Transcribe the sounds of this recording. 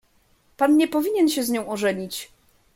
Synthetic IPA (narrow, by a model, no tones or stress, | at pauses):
panɲɛpɔvʲiɲɛnɕɛzɲɔ̃w̃ɔʐɛɲit͡ɕ